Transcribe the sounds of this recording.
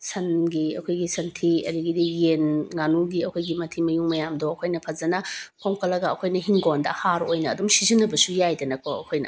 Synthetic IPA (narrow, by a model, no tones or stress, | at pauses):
sɐnɡiɐ̰kʰojɡisʰɐntʰiɐ̰diɡidijenŋanuɡiɐkʰojɡimɐtʰimɐjuŋmɐjamdɔɐkʰojnɐpʰɐzɐnɐpʰoŋkɐlɐɡɐɐkʰojnɐɦiŋɡondɐ̰haɾojnɐːdumsizinːɐbɐsujajdɐnɐkʰɔɐkʰojnɐ̰